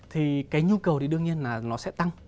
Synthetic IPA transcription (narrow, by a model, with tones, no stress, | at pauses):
t̪ʰi˨˩kaː˨˦jɲu˧kə˨˩wt̪ʰi˨˦ɗɨ˧əŋɲi˧ənlaː˨˩nɔ˨˦sɛ̰˧˥t̪a˧ŋ